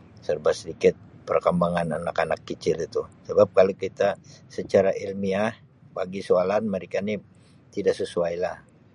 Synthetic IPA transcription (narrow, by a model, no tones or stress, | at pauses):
sərbasədikɪt̪̚pərkəmbaŋana̰nakanakːət͡ʃɪlit̪usəbap̚kalokit̪asət͡ʃaɾaʔilmiah | baɡisoalanməɾikani | t̪idaʔsəsuajla̰h